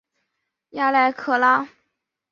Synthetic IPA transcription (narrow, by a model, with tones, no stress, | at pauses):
ja˥˩la˧˥ɪkʰɤ˧˩la˥